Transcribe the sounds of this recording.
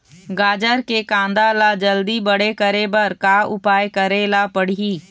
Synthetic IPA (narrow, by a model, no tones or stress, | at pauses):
ɡaːd͡ʒəɾkekãːnd̪alad͡ʒəld̪ibəɽekəɾebɐɾkaʊpaːjkəɾelapəɽ̤iiː